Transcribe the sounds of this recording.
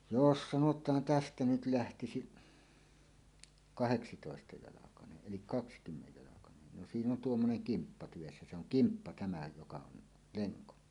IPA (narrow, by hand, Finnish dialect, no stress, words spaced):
jos sɑnotˑɑːn tæstæ nyt læhtisiʔ kɑheksitoˑestɑjɑlɑkɑneʔ ʔelik kɑkskymːejːɑlɑkɑnen no siːn on tuomːoneŋ kimpːɑ tyʋesːæ se oŋ kimpːɑ tæmæ jokɑ on leŋko